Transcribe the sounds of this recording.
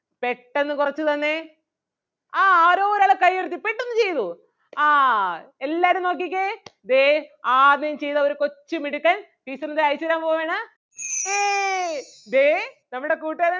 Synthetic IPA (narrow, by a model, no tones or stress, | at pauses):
peʈːe̞nːɨkurɐt͡ɕːut̪ɐnːe̞ | aːaːɾo̞ːoɾaːɭekɐjːeɾut̪ːipeʈːenːɨt͡ɕe̞jt̪u | aːelːaːɾumno̞ːk̬ːik̬ʲːed̪eaːnimt͡ɕe̞jt̪ɐoɾukot͡ɕːɨmiɽukːaːnt̪iːsɐnɐneɐjt͡ɕːɐɾaːmpoːʋeːɳɐ | eː | d̪enɐmːuɽe̞kuːʈːeð